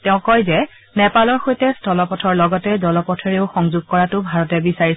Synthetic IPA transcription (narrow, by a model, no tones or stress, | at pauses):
tɛʊ̃kɔjzɛ | nɛpalɔɹxojtɛstɔlɔpɔtʰɔɹlɔɡɔtɛzɔlɔpɔtʰɔɹeʊxɔŋzuɡ̚kɔɹatʊbʱaɹɔtɛbisaɹis